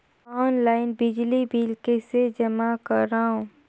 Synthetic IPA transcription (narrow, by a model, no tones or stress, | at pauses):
ɔːnlaːɪnbɪd͡ʒlibiːlkesed͡ʒɐmakəɾaɦõː